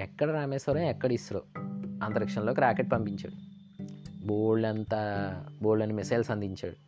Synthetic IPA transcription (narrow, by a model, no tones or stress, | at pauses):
ɛkːɐɽɐɾaːmeːsɐɾɐjɛkːɐɽɐisɐɾo̰ːɐnt̪ɐɾɐkʂɐnloːkiɾaːkeʈ̚pɐmpiɲt͡ʃa̰ːɽu | boːɭːɐnt̪aːboːɽlɐnimɛsɐjlsɐnd̪ʱiɲt͡ʃaːɽu